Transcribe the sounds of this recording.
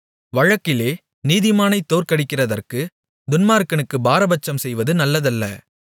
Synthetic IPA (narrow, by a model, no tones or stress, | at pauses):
ʋɐɻɐkːɪleː | niːðɪmaːnɐɪt̪ːoːɾkɐɽɪkːɪrɐðɐrkɯ | d̪ʊnmaːɾkːɐnɯkːɯbaːɾɐbɐt͡ʃːɐmsɛjʋɐðɯnɐlːɐðɐlːɐ̰